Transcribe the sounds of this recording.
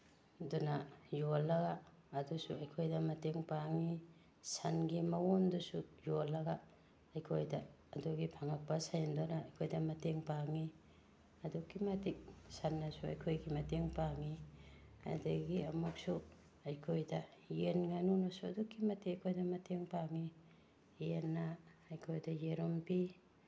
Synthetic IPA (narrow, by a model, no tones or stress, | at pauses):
dunajolːɐɡaː | dusuɐjkʰojdɐmɐteŋpaŋi | sanɡimɐwondusujolːɐɡaː | jkʰojdaː | duɡipʰaŋak̚pɐsajndonaːjkʰojdɐmɐteŋpaŋi | ɐdukːimɐtik̚sanːasuɐ̰jkʰojɡimɐteŋpaŋi | ɐ̰daɡiɐmuk̚su | ɐjkʰojdɐjenŋanunosuɐdukːimɐteɐjkʰojdɐmɐtʰeŋpaŋi | jenːaːjkʰojdɐjeɾompi